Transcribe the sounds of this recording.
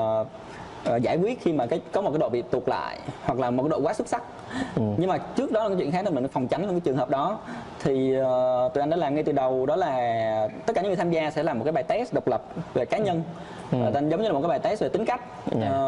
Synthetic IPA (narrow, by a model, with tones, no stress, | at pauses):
ʔːzaː˧˩jkwi˦˥ət̚xi˧maː˨˩kaː˨˦jkɔ˨˦m˨˩t̚kːaː˨˦jɗo̰˧˨vḭ˧˨˩t̪u˨˩la̰ː˧˨jhwa˨˩k̚laː˨˩mo˨˩aː˨˦ɗo̰˧kwaː˨˦swə˦˥t̚sa˦˥k̚ | ɲɨ˧ŋmaː˨˩t͡ɕɨ˦˥ək̚ɗɔ˨˦aː˨˩˨t͡ɕw̰i˧˨˧xa˦˥nː˧˩mi˨˩n˨˩fɔ˨˩wŋ͡mt͡ɕa˨˦nlo˧˩kːaː˨˦t͡ɕɨ˨˩ŋɦəː˨˩p̚ɗɔ˨˦t̪ʰi˨˩˨t̪u˨ʔa˧jŋɗa̰ː˧˦laː˨˩mŋa˧jt̪ɨ˨˩ɗə˨˩wɗɔ˨˦laː˨˩t̪ə˦˥t̚kːaː˧˩ɲɨ̰˧˦vi˨˩t̪ʰa˧mzaː˧sɛ̰˧˥laː˨˩mo˨˩t̚kːaː˨˦jɓaː˨˩jt̪ɛ˦˥s̚ɗə˨˩wk͡p̚lə˨˩p̚ve˨˩kaː˨˦ɲə˧nː˨˩˧ | zə˨˦wɲɨː˧˨˩tkaː˨˦ɓaː˨˩jt̪ɛ˦˥t̚ve˨˩ï˨˦ŋka˦˥k̚ː